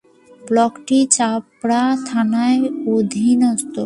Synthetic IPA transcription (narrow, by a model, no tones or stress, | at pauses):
blɔkʈit͡ɕapɾat̪ʰanaeod̪ʱinɔst̪o